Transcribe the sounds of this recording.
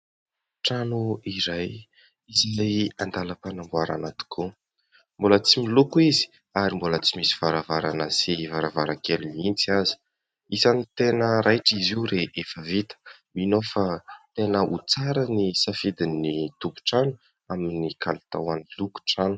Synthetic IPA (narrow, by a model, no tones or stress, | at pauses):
ʈ͡ʂanuiɾaj | izajand̪aləpanambuaɾa̰nat̪i̥kʰu | mbolət͡similukuizi̥ | aɾimbolət͡simisi̥v̥aɾavaɾanəsivaɾavaɾakelinint͡siazi̥ | isanit̪enəɾajʈ͡ʂiziuɾeʔefəvit̪ə̥ | minofat̪enəut͡saɾənisafid̪init̪upu̥ʈ͡ʂanu̥ | aminikʰalut̪a̰waniluku̥ʈ͡ʂanu̥